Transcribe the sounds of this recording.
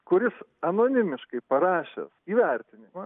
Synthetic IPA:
kʊɾʲɪs | ɐnoːnʲɪmʲɪʃkɐɪpɐɾɑːʃʲɛ̰siːʋʲɛɾʲt̪ʲɪnʲɪmɐ

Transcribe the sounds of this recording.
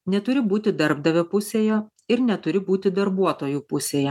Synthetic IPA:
nʲɛt̪ʊɾʲɪbuːt̪ʲɪd̪ɐɾbd̪ɐʋʲɛpʊsʲeːjoː | ɪɾnʲɛt̪ʊɾʲɪbuːt̪ʲɪd̪ɐɾbuɔt̪oːjuːpʊsʲeːjɛ

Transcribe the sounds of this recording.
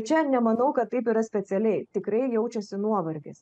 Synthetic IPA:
t͡ʃʲɛɐʃnʲɛmɐnɐʊkɐt̪t̪ːɐɪpiːɾɐsʲpʲɛt̪sʲɛlʲɛɪt̪ʲɪkɾɐɪjɛʊt͡ʃʲɛsʲɪnuɔʋɐɾʲɡʲes

